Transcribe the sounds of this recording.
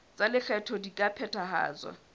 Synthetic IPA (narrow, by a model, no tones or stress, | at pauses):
t͡sʼalɪɬɛtʰɔdikʼapʰɛtʰaɦa̰ːt͡swa̰